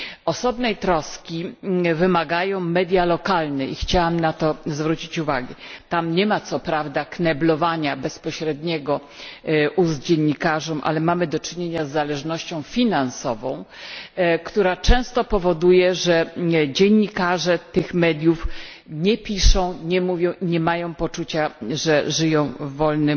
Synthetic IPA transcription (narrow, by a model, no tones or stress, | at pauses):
ɔsɔbnɛjt̪ɾɔskʲivɘmaɡajɔ̃w̃mɛd̪ʲjalɔkalnɛʔixt͡ɕawamnat̪ɔzvɾut͡ɕit͡ɕuvaɡɛt̪amɲɛmat̪sɔpɾavd̪aknɛblɔvaɲabɛspɔɕɾɛd̪ɲɛɡɔ | ʔuzd͡ʑeɲːikaʐɔmʔa̰lɛmamɘd̪ɔt͡ʂɘɲeɲazːalɛʐnɔɕt͡ɕɔ̃w̃fʲinansɔvɔ̃w̃ | kt̪uɾat͡ʂɛ̃w̃st̪ɔpɔvɔd̪ujɛʐɛd͡ʑeɲːikaʐɛt̪ɘxmɛd̪ʲjuf | ɲɛpʲiʂɔ̃w̃ɲɛmuvʲjɔ̃w̃ʔiɲɛmajɔ̃w̃pɔt͡ʂut͡ɕaʐɛʐɘjɔ̃w̃vɔlnɘm